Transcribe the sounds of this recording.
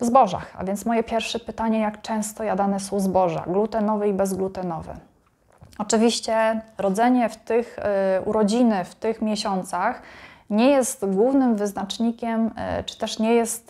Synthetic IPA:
vzbɔʐa̰xa̰vʲjɛnt̪smɔjɛpʲjɛɾfʂɛpɘt̪aɲɛjakt͡ʂɛ̃w̃st̪ɔjad̪anɛsɔ̃w̃zbɔʐa̰ɡlut̪ɛnɔvɛibɛzɡlut̪ɛnɔvɛ̰ | ɔt͡ʂɘvʲiɕt͡ɕɛɾɔd̪zɛɲɛft̪ɘxṵɾɔd͡ʑinɘft̪ɘxmʲjɛɕɔnt̪saxɲɛjɛst̪ɡwuvnɘmvɘznat͡ʂɲikʲɛmt͡ʂɘ̥t̪ɛʂɲɛjɛst̪

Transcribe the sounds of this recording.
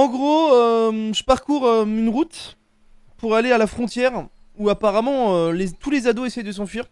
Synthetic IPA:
ɑ̃ɡʁoøʒəpaʁkuʁøynʁut̪ | puʁalealafχɔ̃t̪jɛʁ | uapaʁamɑ̃ølet̪ulezad̪oesɛjd̪əs̬ɑ̃fɥiːʁ

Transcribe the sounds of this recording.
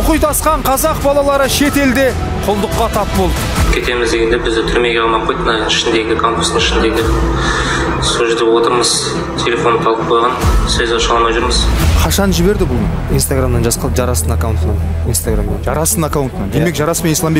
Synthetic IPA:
ʊqujd̪ɑsqɑɴqʰɑzɑq̚bɑlˠɑlˠɑɾəʃet̪e̞ld̪e | qʰʊlˠd̪əqːɑt̪ʰɑpbolˠd̪əkʲʰe̞t̪e̞mɪzd̪e̞ɡʲe̞nd̪ebɪzd̪ɪt̪ʰʏɾme̞ɡʲeɑmɑqʰojt̪mənɑɪʃɪnd̪e̞ɡʲɪkʰompu̥st̪əŋɪʃɪnd̪e̞ɡʲɪ | suʒed̪ewot̪əɾməz | t̪ʲʰe̞lʲe̞fonət̪ʰɑlˠəp̚qʰo̞jʁɑnsɵzoʃɑlˠmɑjʒʊɾməz̥qʰɑʃɑnʒɪβe̞ɾd̪ɪbʊlˠm | inst̪aɡɾamd̪ɑnʒɑsqʰɑlˠəpʒɑɾɑsənakawnt̪nɑn | inst̪aɡɾamd̪ɑnʒɑɾɑst̪ənakawnnd̪e̞me̞kʒɑɾɑspenislˠɑmbe

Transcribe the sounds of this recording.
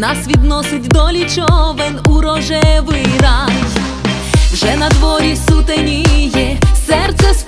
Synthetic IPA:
nɑsʋʲid̪nɔsɪt̚ʲd̪ɔlʲit͡ʃɔʋenuɾɔʒɛʋɪjrɑj | wʒɛnɐd̪ʋɔɾʲisut̪enʲijɛsɛrt̪sɛs

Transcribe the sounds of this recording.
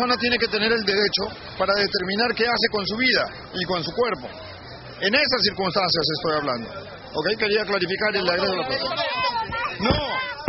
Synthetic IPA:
so̞nat̪jeneke̞t̪e̞ne̞ɾe̞ld̪e̞ɾe̞t͡ʃo̞ | paɾaðet̪e̞ɾmĩnaɾke̞ase̞ko̞ns̬uβiða | ikonsukwe̞ɾpo̞̰ | e̞ne̞sas̬iɾkunst̪ansjas̬e̞st̪o̞jaβla̰nd̪o̞̰ | oke̞jke̞ɾiaklaɾifikaɾelːaɣɾeɣelapeɾsona | no

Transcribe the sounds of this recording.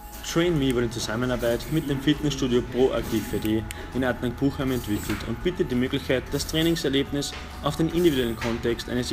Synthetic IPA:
tʁ̥eɪnmivʊɐɾɪnt͡suzamənaɐbaɪtmɪt̚d̥eːmfɪtnɛsʃtuːdjopʁoːʔa̰ktʰiːfpʰedeː | ʔɪnatnaŋk̚b̥uːxhamɛ̃ntv̥ɪkʰl̩tʰʊ̰ntb̥iːtət̚d̥iːmøːɡlɪçkʰaɪt̚d̥astʁ̥ɛːnɪŋsɛɐleːbnɪs | ʔaʊfd̥eːnʔɪndividuɛlən̩kʰɔ̃ntɛkstʔa̰ɪnəs

